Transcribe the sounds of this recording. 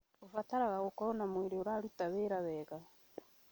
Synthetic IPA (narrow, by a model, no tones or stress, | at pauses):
ofataɾaɣaɣokɔɾɔnamweɾeoɾaɾutaβeɾaβɛɣa